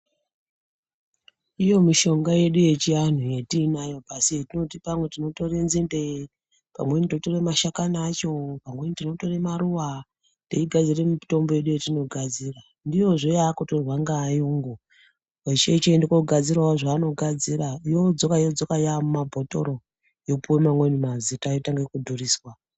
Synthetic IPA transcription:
ijo̞miʃo̞ŋɡaje̞ɗuje̞t͡ʃian̤uje̞tiːnajo̞pasietino̞tipamwe̞tino̞to̞re̞nzinde | pa̰mwe̞nito̞to̞re̞maʃakanat͡ʃo̞pamwe̞nitino̞to̞re̞maruwa | ndeiɡʱad͡ziremito̞mbojeɗujetino̞ɡʱad͡zira | ndijo̞ʐojakotoʐaŋɡaːjuŋɡu | wet͡ʃet͡ʃendikoɡʱad͡zirwaoʐaːno̞ɡʱad͡ziraijod͡zokaijod͡zokajamumabʱo̞to̞̰ɾo | jopuwemamwenimazitaitaŋɡekudʱuriːswa

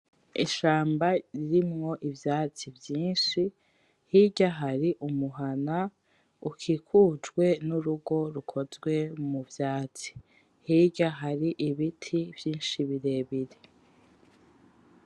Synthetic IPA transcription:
ḭʃaːmbaɾiɾimŋo̞ʔivjaːt͡sivjiːnʃi | hiɟaɦaɾiʔumuɦana | ukʰikʰud͡ʒɡwe̞nuɾuɡo̞ɾukʰo̞zɡwe̞muvjaːt͡si̥ | hiɟaɦaɾiʔiβitʰiv̥jiːnʃiβiɾe̞βiɾe

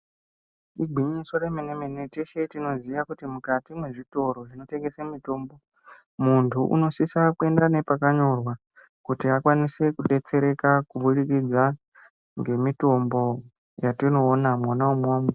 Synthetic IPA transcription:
iɡʱwiɲiso̞ɾemenemeneteʃetino̞ziʋakutimukatimwe̞ʐito̞ɾo̞ʐino̞te̞ŋɡe̞semito̞ːmbo̞ | muntʰuʔṵno̞sisakwe̞ndane̞pakaɲo̞rwa | kutiakwanise̞kuɗe̞t͡se̞ɾe̞kakuɓuɗikid͡za | ŋɡe̞mito̞mbo̞ | jatino̞ːnamonaumoːme

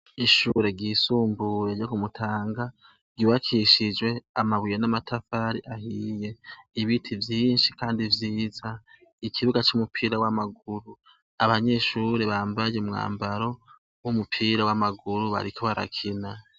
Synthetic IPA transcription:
iʃuɾe̞ɡiːsuːmbuɾe̞d͡ʒokumutʰaːŋɡa | ɡ̥iwakʰiʃid͡ʒwe̞amaβwijenamatʰafaɾḭʔahije̞iβitʰivjiːnʃikaːndivjiːza | ikʰiβuɡat͡ʃumupʰiːɾawamaɡuɾu | aβaɲe̞ʃuːɾe̞βaːmbajeumŋa̰ːmbaɾo̞ | wumupʰiːɾawamaɡuɾuβa̰ɾikʰoβaɾa̰kʰina

